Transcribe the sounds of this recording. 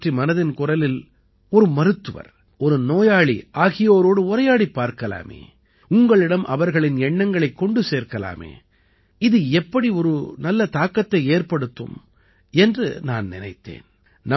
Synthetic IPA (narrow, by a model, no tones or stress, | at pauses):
ʈrimɐnɐðɪnkʊrɐlɪl | ɔɾɯmɐɾɯt̪ːɯʋɐ̰ɾ | ɔɾɯnoːjaːɭḭʔaːɣɪjoːɾoːɽɯʊɾɐjaːɽipːaːɾkɐla̰ːmḛː | ʊŋɡɐɭɪɽɐmʔɐ̰ʋɐɾɣɐɭɪnɛɳːɐŋɡɐɭɐɪkːɔɳɖɯseːɾkɐla̰ːmḛː | ɪðɯɛpːɐɽiɔɾɯnɐlːɐt̪aːkːɐt̪ːɐɪeːrpɐɽɯt̪ːɯ̰m | ɛndrɯnaːnnɪnɐɪt̪ːḛːn | nɐ